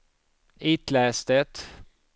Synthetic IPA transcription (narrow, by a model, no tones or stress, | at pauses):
iːt̪læːst̪ət̪